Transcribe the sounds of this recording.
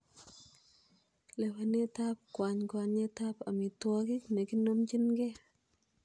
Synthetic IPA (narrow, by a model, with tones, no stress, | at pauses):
lɛ˨wa˨ne˦ta˦p̚kwa˨ɲkwa˨ɲe˦ta˦pa̰˨mi˨twɔ˦ki˦kne˨ki˦no˦mt͡ʃi˦nɡe˦